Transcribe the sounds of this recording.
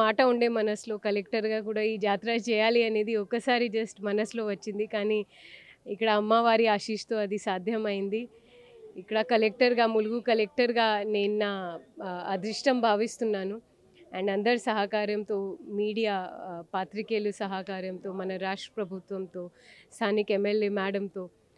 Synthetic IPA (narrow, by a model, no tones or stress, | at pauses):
aːʈɐuɳɖe̞ːmɐnɐslo̞ːkɐlek̚ʈɐɾɡaːkuːɽaːiːd͡ʒaːt̪ɾaːt͡ʃɛːjaːliɐne̞ːd̪iɔkːɐsaːɾid͡ʒɐsʈmɐnɐslo̞ːʋɐt͡ʃːind̪ikaːniː | kːɐɽɐːmːaːʋaːɾiaːʃiːʂt̪o̞ːɐd̪isaːd̪ʱjɐmɐjind̪iː | kːɐɽɐkɐlek̚ʈɐɾɡaːmuluɡukɐlek̚ʈɐɾɡaːneːnunaːɐd̪ɾiʂʈɐmbʱaːʋist̪unːaːnu | ɛːɳɖɐnd̪ɐɾsɐɦɐkaːɾjɐmt̪o̞ːmiːɽijaːpaːt̪ɾikeːlusɐɦakaːɾjɐmt̪o̞ːmɐnɐɾaːʂʈɾɐ̥pɾɐbʱut̪ʋɐmt̪o̞ːst̪ʰaːnikemːelːeːmaːɽɐmt̪o̞ː